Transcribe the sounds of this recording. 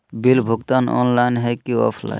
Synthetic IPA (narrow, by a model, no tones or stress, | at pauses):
bilbʱoɡt̪anɔ̰nlajnɦajkiɔ̰pʰla̰jn